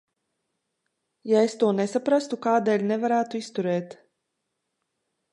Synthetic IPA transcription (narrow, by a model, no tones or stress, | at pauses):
jaest̪uɔnesapɾast̪ukaːd̪ɛːlʲnɛvaɾæːt̪uist̪uɾɛːt̪